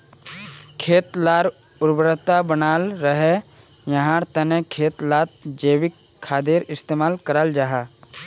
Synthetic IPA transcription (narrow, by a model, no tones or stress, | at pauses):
kʰeːt̪laːɾ | ʊɾbɾət̪abənaːlɾəɦe | jəɦãɾt̪ənekʰeːt̪laːt̪̚d͡ʒeːwɪkʰːaːd̪eːɾɪst̪eːmaːlkəɾəld͡ʒaːɦaː